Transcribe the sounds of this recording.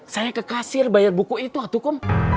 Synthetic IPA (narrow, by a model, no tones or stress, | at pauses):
sajakəkasɪrbajarbukuit̪uat̪ukʊm